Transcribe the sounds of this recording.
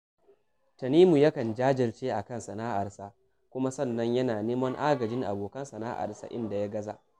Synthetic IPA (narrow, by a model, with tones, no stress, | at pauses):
tɐ˨niː˦mu˨jɐ˦kɐ˨nd͡ʒaː˦d͡ʒɪ˨rt͡ʃeː˦ʔa˨kɐ˦˨nsɐ˨naː˦ʔa˨rsa˦ | kʷʊ˦ma˦sɐ˦˨nːɐ˦ɲjɐ˦naː˨neː˦mɐ˦ŋʔaː˦ɡɐ˨d͡ʒɪ˦ŋʔa̰˨boː˨kɐ˦nsɐ˨na̰˦ʔa̰˨rsa̰˦˨ʔɪ˦nda˨ja˦ɡɐ˦za̰˨ʔ